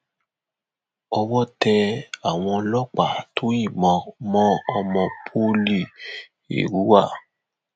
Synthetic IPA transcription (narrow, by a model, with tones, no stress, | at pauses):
ɔ˧wɔ˦˨tɛ˧a˨w̃ɔ̃˧lɔ˦˨k͡pa˨tʰo˨˦i˦˨mɔ̃˧mɔ̃˦ɔ˧mɔ̃˧pʰo˦li˦˨ | ḛ˨ɾu˨˦wa˦˨